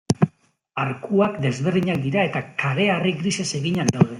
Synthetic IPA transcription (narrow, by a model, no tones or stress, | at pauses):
aɾkuakd̪e̞zβeɾðiɲak̚d̪iɾae̞t̪akaɾe̞ariɣɾisese̞ɣiɲand̪awðe̞